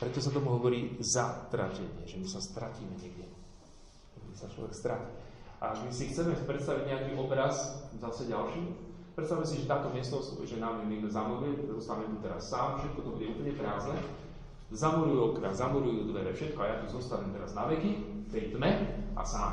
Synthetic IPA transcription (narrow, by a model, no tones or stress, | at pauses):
pɾɛt̪ɔs̬at̪ɔmuɦɔʋɔɾiːzat̪ɾa̰cɛɲɪɛʒɛmisast̪ɾaciːmɛɲɪɛɡɟɛ | ɛmisat͡ʃlɔ̰ʋɛkst̪ɾacia̰aɡmisixt̪t͡sɛmɛpɾɛt̪st̪aʋiɟɲɛakiːʔɔbɾazzasɛɟalʃiːpɾɛt̪st̪aʋumɛsiʒɛt̪aːt̪ɔmɪɛst̪ɔsʒɛnaɛmimɛzamɔɾujɛzɔst̪aʋiːmɛt̪ut̪ɛɾasːaːmfʃɛt̪̚kɔt̪ɔbudɛuːpəɲɛpɾaːznɛ | zamuɾujuɔkɾazzamuɾujuːd̪ʋɛɾɛfʃɛt̪̚kɔajat̪uzɔst̪aʋiːmt̪ɛɾaznaʋɛkift̪ɛjt̪mɛʔa̰saː